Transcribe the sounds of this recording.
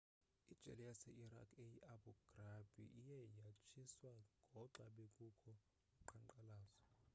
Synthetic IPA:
id̥ʒ̥ʱɛ̰lɛjasɛʔiɾa̰kʰejiʔabuɡ̥rab̥ʱḭʔijɛjat͡ʃʰiswaŋŋɡʱɔǃaɓekʼukʰɔ | ǃʰaŋǃalaːzɔ

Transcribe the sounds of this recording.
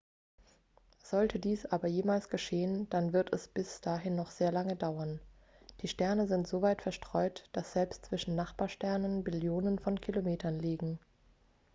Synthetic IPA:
z̥ɔltʰədiːsʔaːbɐjeːmaːlsɡ̥əʃeːənd̥anvɪɐtɛsb̥ɪsd̥aːɦɪnːɔχz̥eːɐlaŋədaʊɐn | d̥iːʃtɛɐnəzɪntz̥ovaɪtfɛɐʃtʁ̥ɔʏtd̥asz̥ɛlpstt͡sv̥ɪʃn̩naχb̥aːɐʃtɛɐnənbɪljoːnənfɔnkʰilomeːtʰɐnliːɡŋ̩

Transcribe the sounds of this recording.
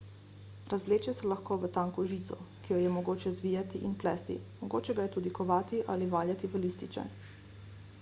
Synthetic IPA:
ɾazʋleːt͡ʃɛsɛlaxkoːʋət̪aŋkuʒiːt̪sɔkijɔjɛmɔɡoːt͡ʃɛzʋiːjat̪iʔinplɛːst̪ḭmɔɡoːt͡ʃɛɡajɛt̪ud̪ikɔʋaːt̪iʔaliʋaːljat̪iʋəlist̪it͡ʃɛ̰

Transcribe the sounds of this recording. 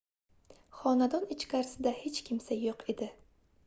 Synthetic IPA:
χɒnad̪ɒnɪt͡ʃkʲaɾɪsɪd̪ahet͡ʃkʲʰɪmsajoqe̞d̪ɪ

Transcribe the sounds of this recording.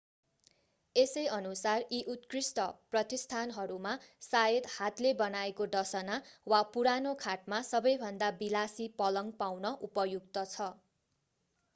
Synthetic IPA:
esʌjʌnusariʔut̪krisʈʌprʌt̪ist̪ʰanɦʌɾumasajed̪hat̪lebʌnaekoɖʌsʌnawapuɾanokʰaʈmasʌbʌjbʱʌnd̪abilasipʌlʌŋɡpawnʌʔupʌjuk̚t̪ʌt͡sʰʌ

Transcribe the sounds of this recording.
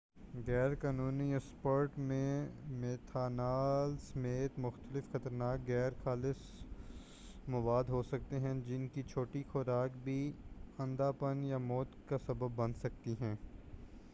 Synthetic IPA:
ɣɛːɾkaːnuːniɛspoːɾʈmẽmeːt̪ʰaːnaːlsɐmeːt̪mʊxt̪əlɪfxɐt̪əɾnaːkɡɛːɾxaːlɪs | mɐʋaːd̪ɦosɐk̚t̪eɦɛ̃d͡ʒɪnkit͡ʃʰoːʈixoːɾaːkbʱiɐ̃nd̪aːpənjamɔːt̪kasɐbəbːɐ̃nsɐk̚t̪iɦɛ̃ː

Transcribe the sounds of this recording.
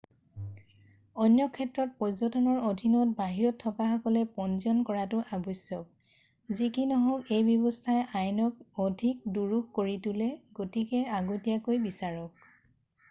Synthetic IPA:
ɔnjɔkʰɛtɹɔt̚pɔzɔtʰɔnɔɹodʱinɔt̚baɦiɹɔtʰːɔkaɦakɔlɛpɔnzɔnkɔɹatʊʔabɔsɔk̚ | zikinɔɦɔkejbjɔbɔstʰajʔajnɔk̚odʱik̚duɹuɡkoɹitulɛɡotikɛaɡotijakojbisaɹɔk̚

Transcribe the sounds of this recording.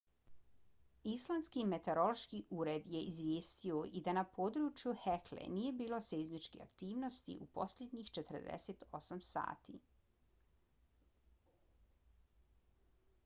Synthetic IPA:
islˠanskime̞t̪e̞ɾo̞loʃkiʔuːɾed̪je̞ʔizʋjeːst̪ioʔid̪anapʰo̞ːd̪ɾut͡ʃjuheklḛniːje̞biːlo̞sezmit͡ʃkḛa̰kt̪iːʋnost̪ḭʔupo̞sʎʲed̪ɲixt͡ʃet̪r̩d̪ḛset̪o̞samsa̰ːt̪ḭ

